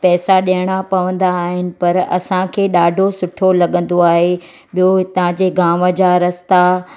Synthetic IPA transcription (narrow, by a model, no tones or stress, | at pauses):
pɛːsaɗiəɽ̃apɐʋə̃nd̪aːɦɪnɪ̆pɐɾɐ̰sãkʰeːɗaːɖʱosʊʈʰolɐɠə̃nd̪oaːɦe | ɓijot̪ɐ̤ãd͡ʑeːɡaːmə̆d͡ʑaɾɐst̪a